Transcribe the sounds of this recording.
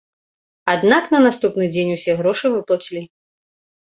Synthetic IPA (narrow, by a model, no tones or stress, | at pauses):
ad̪naknɐnast̪upnɨd͡zʲenʲusʲɛɣɾɔʂɨvɨplˠat͡sʲilʲi